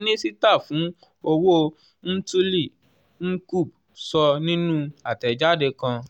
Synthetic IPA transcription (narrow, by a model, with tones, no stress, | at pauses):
nĩ˦si˦ta˦˨fũ˨˦ | o˧wo˦ | n̩˦tu˦li˦˨ | n̩˦ku˦˨b̚ | sɔ˧nĩ˦nũ˦a˨tɛ˨d͡ʒa˦˨de˧kã˧